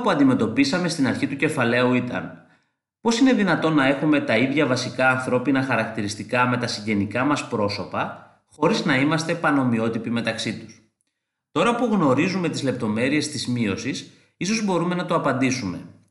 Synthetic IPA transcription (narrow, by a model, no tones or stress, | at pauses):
puɐnd̪ime̞t̪o̞pisɐme̞st̪inɐɾçit̪uce̞fɐle̞uit̪ɐ̰n | po̞sine̞ðinɐt̪o̞nːɐe̞xume̞t̪ɐiðʝɐvɐsikɐːnθɾo̞pinɐxɐɾɐk̚t̪iɾist̪ikɐme̞t̪ɐsiɲɟe̞nikɐmɐspɾo̞so̞pɐ | xo̞ɾiznɐimɐst̪e̞pɐno̞mio̞t̪ipime̞t̪ɐksit̪u̥s | t̪o̞ɾɐpuɣno̞ɾizume̞t̪izle̞p̚t̪o̞me̞ɾie̞st̪izmio̞sis | iso̞zbo̞ɾume̞nɐt̪oɐpɐnd̪isume̞̰